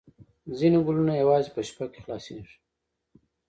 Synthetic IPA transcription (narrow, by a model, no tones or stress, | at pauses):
zinoɡʊlunajawɑzepəʃpake̥xlɑsḛʐi